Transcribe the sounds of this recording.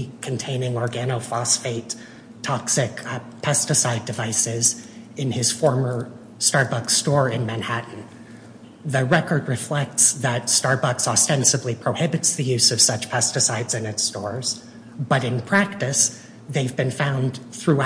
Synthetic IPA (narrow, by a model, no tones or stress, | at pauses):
kʰɨ̃n̩tʰẽɪ̃nɪ̃ŋɔɹɡænoʊfɑsfeɪtʰ | ɑksɪk | pʰɛstɨsaɪdɨvaɪsɪz | ɨ̃nɪz̥fɔɹmə˞ | stɑɹbʌkstɔɹɪ̃nmæ̃nhæʔn̩ | ðɨɹɛkə˞d̚ɹɨflɛk̚tsðɨtstɑɹbʌksɑstɛ̃nsɨblipʰɹ̥oʊhɪbɨtsðɨjʉz̥ʌv̥sʌt͡ʃpʰɛstɨsaɪdzɨ̃nɨtstɔɹz̥ | b̥ʌɾɨ̃npʰɹ̥æk̚tɨs | ðeɪvbɨ̃nfãʊ̃nθɹʉ